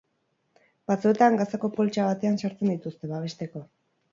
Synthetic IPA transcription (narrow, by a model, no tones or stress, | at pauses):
bat͡sue̞t̪aŋɡasako̞po̞lt͡ʃaβat̪e̞ansaɾt͡se̞nd̪it̪ust̪e̞βaβ̞e̞ʃt̪e̞ko̞